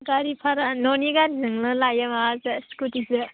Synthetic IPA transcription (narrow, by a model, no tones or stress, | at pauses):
kaɾipʰaɾanoniɡanzɯŋlɯlajamaazaskutizɯ